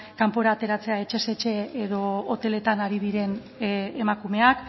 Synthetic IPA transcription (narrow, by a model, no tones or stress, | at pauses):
kampo̞ɾaːt̪e̞ɾat͡se̞ae̞t͡ʃe̞se̞t͡ʃe̞eðo̞ot̪e̞le̞t̪anaɾið̞iɾe̞n | emakume̞ak